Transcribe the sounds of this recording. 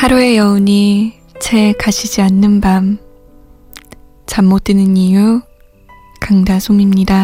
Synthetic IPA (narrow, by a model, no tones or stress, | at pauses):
haɾue̞jʌuɲi | t͡ɕʰe̞kaɕʰid͡ʑianːɯnbam | t͡ɕamːot͈̚enɯniju | kaŋdasʰomimɲida